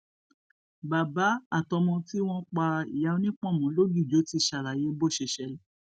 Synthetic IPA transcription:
ba˨ba˨˦a˦˨tɔ˧mɔ̃˧ti˦w̃ɔ̃˦k͡pa˧i˨ja˨˧˦o˧nĩ˦k͡pɔ̃˦˨mɔ̃˨˦lo˦du˦˨d͡ʒo˨˦ti˧˦˨ʃa˨ɾa˨je˨˦bo˦˨ʃe˧˨ʃɛ˨˧˦l

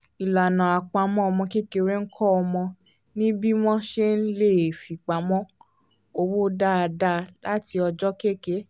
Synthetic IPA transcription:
i˨la˨nã˨a˨k͡pa˨˦mɔ̃˦ɔ˧mɔ̃˧ke˦ke˧ɾe˦ŋ̩˦kʰɔ˦ɔ˧mɔ̃˧ | nĩ˦bi˦w̃ɔ̃˦ʃe˦n̩˦le˦˨fi˨k͡pa˨mɔ̃˦ | o˧wo˦da˦˧da˦la˦ti˧ɔ˧d͡ʒɔ˦ke˦˨ke˨˦

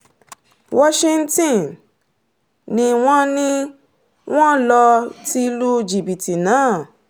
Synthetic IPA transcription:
wɔ˦ʃĩ˧n̩˦tĩ˦˨n | nĩ˧w̃ɔ̃˦nĩ˦ | w̃ɔ̃˦lɔ˧ti˦˧lu˦d͡ʒi˨bi˨ti˨nãː˨˦˨

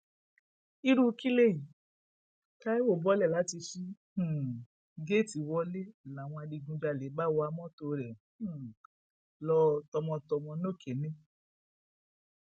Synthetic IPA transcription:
i˧ɾu˦ki˦le˦˨ji˨ | ka˦i˦wo˦˨bɔ˦lɛ˦˨la˨˦ti˧ʃĩ˦˨ | ɡe˦˨ti˨˦wɔ˧˦le˦˨la˨w̃ɔ̃˧a˧di˧ɡũ˧d͡ʒa˧˨le˨˦ba˦wɔ˧a˧mɔ̃˦to˧ɾɛ̃˨˦˨ | lɔ˧tɔ˧mɔ̃˧tɔ˧mɔ̃˧no˦˨kʰe˨nẽ˦

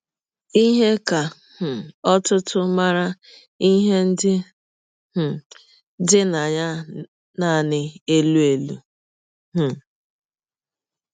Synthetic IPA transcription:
i˦ɦe˦ka˨ | h̩˨ɔ˦tʊ˦tʊ˦ma˦ɾa˦ | i˦ɦe˦n̩˦dɪ˦˨ | dɪ˦na˨ɲa˦ | na˦˨nɪ˨e˦lu˦e˨lṵ˨ | m̩˨

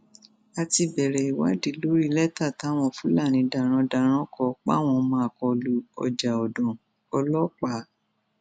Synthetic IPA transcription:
a˧ti˧bɛ˨ɾɛ˨i˨wa̰˨˦di˨˧˦lo˦ɾi˦lɛ˦ta˦˨ta˨˦w̃ɔ̃˧˦fũ˨˦la˦˨ɾ̃ĩ˨˧˦da˨ɾ̃ɔ̃˧da˧ɾ̃ɔ̃˦kɔ˧k͡pa̰˦˨w̃ɔ̃˧mã˧˦a˨kɔ˧lu˨˦ɔ̰˧d͡ʒa˨ɔ˨dɔ̃˨ | ɔ˧lɔ˦k͡pa˨˦

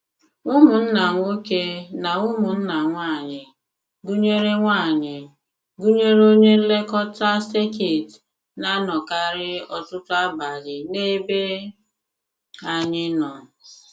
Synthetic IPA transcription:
ʊ˦mu˨n̩˦na˨ŋʷo˦ke˦na˨ʊ˦mʊ˨n̩˦na˨ŋʷaː˦˨ɲɪ˨ | ɡu˦ɲe˦ɾe˦ŋʷa˦˨ɲɪ˨ | ɡu˦ɲe˦ɾo˦ɲe˦le˦kɔ˦ta˦ste˦ke˨t | na˦nɔ˨ka˦ɾɪ˦ɔ˦tʊ˦tʊ˦a˦ba˨ɾɪ˨ne˦be˦ | a˨ɲɪ˦nɔ˨

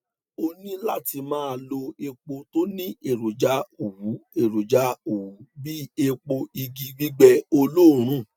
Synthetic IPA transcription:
o˧nĩ˦la˦ti˧mãː˦˧lo˧e˧k͡po˧to˦nĩ˦e˦˨ɾo˨d͡ʒa˨˦o˨wu˨˦e˦˨ɾo˨d͡ʒa˨˦o˨wu˨˦bi˦e˧k͡po˧i˧ɡi˧ɡ͡bi˦ɡ͡bɛ˦˧o˧lo˦˨ɾ̃ũ˦˨

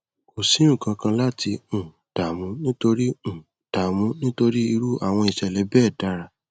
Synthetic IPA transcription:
o˨sĩ˨˦ũ˦˨kã˧kã˧la˦ti˧ũ˨ | d̥a˨mũ˨˦nĩ˦to˧ɾi˦ũ˨ | d̥a˨mũ˨˦nĩ˦to˧ɾi˦i˧ɾu˦a˦˨w̃ɔ̃˧i˨ʃɛ˨lɛ˨˦bɛː˦˨da˨˧˦ɾa˨

